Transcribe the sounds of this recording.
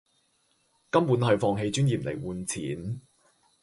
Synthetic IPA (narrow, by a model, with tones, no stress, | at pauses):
kɐ˥mpuː˨˥nɦɐ˨˧ɥfɔː˧ŋɦe˧jt͡ʃyː˥njiː˨˩p̚lḛ˨˩jwuː˨nt͡sʰḭː˨˦n